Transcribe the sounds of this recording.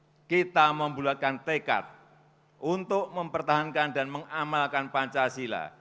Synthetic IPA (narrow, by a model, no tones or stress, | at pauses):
kit̪aməmbulakant̪eka̰t̪̚ | ʔunt̪ʊʔməmpərt̪aɦankandanməŋamalkanpaɲt͡ʃasila̰